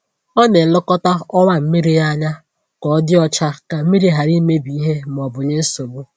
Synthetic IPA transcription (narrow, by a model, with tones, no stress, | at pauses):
ɔ˦ne˨lʊ˦kɔ˦ta˦ɔ˦wa˦m̩˦mi˦ɾi˦ja˦ɲa˦ | kɔ˨ɔ˦dɪ˦ɔ˦t͡ʃa˦ka˨m̩˦mi˦ɾi˦ɦa˨ɾi˦me˦bi˨i˦ɦe˦m˨ɔ˨bʊ˨ɲe˦so˨bʊ˦